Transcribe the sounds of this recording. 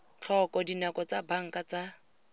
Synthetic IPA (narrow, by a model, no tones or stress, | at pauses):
t͡ɬʰɔkɔdinakɔt͡sabaŋ̩kat͡sa